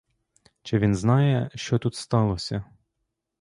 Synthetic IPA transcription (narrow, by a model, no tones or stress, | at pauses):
t͡ʃɪʋʲinznɑjɛʃt͡ʃɔt̪ut̪st̪ɑlˠɔsʲɐ